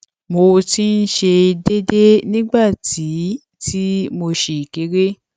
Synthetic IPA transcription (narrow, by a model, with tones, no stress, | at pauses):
mo˧ti˦n̩˦ʃe˧de˦de˦nĩ˦ɡ͡ba˦˨ti˨˦ | ti˦mo˧ʃe˨i˨ke˨˦ɾe˦